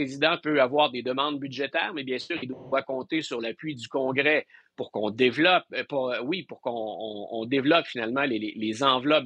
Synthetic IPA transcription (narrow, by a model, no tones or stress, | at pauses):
ezid̪ɑ̃pøavwaːʁd̪ed̪əmɑ̃d̪̚byʒet̪ɛːʁmɛbjɛ̃syːʁild̪wawakɔ̃t̪esyʁlapɥid̪ykɔ̃ːɡʁɛpuʁkɔ̃d̪evlɔp̚pɔwipuʁkɔ̃ːd̪evlɔpfinalmɑ̃lelelezɑ̃vlɔp̚